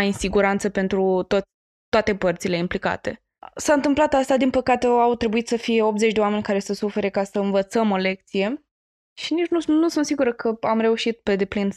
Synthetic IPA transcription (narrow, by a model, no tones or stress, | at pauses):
ajinsiɡuɾant̪səpe̞nt̪ɾut̪o | t̪oat̪e̞pərt̪sile̞implika̰t̪e̞̰ | saɨnt̪ɨmplat̪ast̪ad̪inpəkat̪e̞awt̪ɾe̞buit̪səfije̞o̞p̚t̪ze̞t͡ʃʲd̪eoame̞nʲkaɾe̞səsufe̞ɾekasəɨnvət̪səmo̞le̞k̚t̪sije̞ | ʃinit͡ʃnunusunt̪siɡuɾəkʰəamɾe̞uʃit̪̚pe̞d̪e̞plin